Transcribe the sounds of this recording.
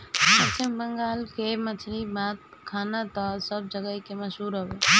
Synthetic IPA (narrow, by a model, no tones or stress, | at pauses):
pəɾt͡ʃimbəŋɡalkemət͡ʃʰɾibat̪̚kʰanat̪ɔsəb̚d͡ʒəɡəkeməsɦuɾɦəbe